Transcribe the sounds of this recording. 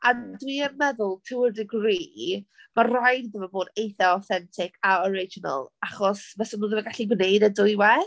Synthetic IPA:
adwiənmɛðʊlˠtʰɪwɪrdɪɡriːmarajddəvaboːdejθɔɔθɛntʰɪkʰaɔɾɪd͡ʒɔnə̰lˠaχɔsvɛsɔnuːðəvaɡaɬiɡwnejdədʊjwɛ

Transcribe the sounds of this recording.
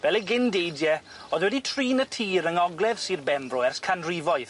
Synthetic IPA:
vɛlˠɛɡɪndejdjɛ | ɔːðwɛditʰriːnətʰiːɾəŋɔɡlˠɛv̥siːrbɛmbrɔɛrskʰanrivɔj

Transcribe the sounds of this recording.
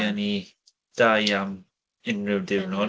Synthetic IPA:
ani | d̥ajam | ɪnrɪwdɪwnɔ

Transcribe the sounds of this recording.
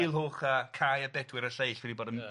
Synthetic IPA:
lˠɦoːχəkʰajadɛdwɪɾəɬejɬwɛdiboːdən

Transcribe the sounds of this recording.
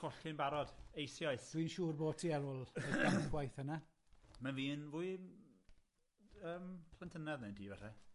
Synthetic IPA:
ɔɬɪnbaɾɔd̥ejsjɔɨθd̥wiːnʃuːrboːtʰiɛɾʊlˠəamənɡwajθəna | manviːnvʊɨ | əːmpʰl̥ˠɛntʰənɛðnendiːvɛrɛ

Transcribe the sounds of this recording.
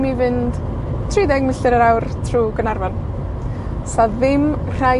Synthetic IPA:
mivɨnd̥ | tʰridɛɡmɪɬɨɾəɾawrtʰruːɡənarvan | saðɪmr̥a

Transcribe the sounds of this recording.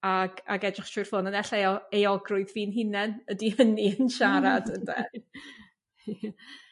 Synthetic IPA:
aɡa̰ɡɛdrɪχtʰʊjr̥fʊnənɛɬɛjɔejɔɡrʊɨðviːnɦɪnɛnədihəniənʃaɾadəndɛ̰

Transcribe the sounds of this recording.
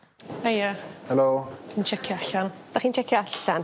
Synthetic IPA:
ejəhɛloːint͡ʃʰɛkʰjɔaɬand̥aχiːnt͡ʃʰɛkʰjɔaɬan

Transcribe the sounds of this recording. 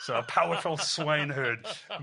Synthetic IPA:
soʊəpʰaʊə˞fʊlˠswẽɪ̃nɦɜːd̥

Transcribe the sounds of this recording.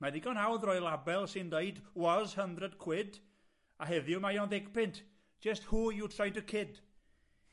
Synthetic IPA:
madɪɡɔnɦawðrɔjlˠabɛlˠsɪndeɨdwɔzhəndrɛd̚kʰw̥ɪd | aɦɛðjʊmajɔnðɪkpʰɪntʰ | d͡ʒ̥əsthuːjutʰrajntəkʰɪd̥

